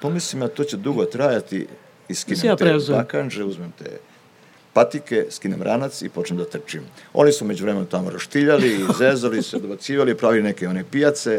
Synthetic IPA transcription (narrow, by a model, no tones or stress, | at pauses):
pomislimat̪o̞ːt͡ɕed̪uɡot̪ɾajat̪ḭ | iskinet̪ɾeuzakand͡ʒeuzmemt̪ḛː | pat̪ikeskinemɾʔanat̪sḭpo̞t͡ʃnemd̪at̪r̩t͡ʃimo̞̰nisumed͡ʑuʋɾemenut̪amoɾaʃt̪iʎalizeːzalisused̪obat̪siːʋalipɾaːʋilinekeo̞nepijat̪se